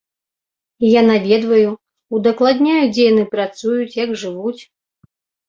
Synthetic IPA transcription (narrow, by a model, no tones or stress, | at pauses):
janavʲɛd̪vɐju | ud̪ɐklˠad̪ʲnʲajud͡zʲejanɨpɾat̪sujut͡sʲjɐɡʐɨvut͡sʲ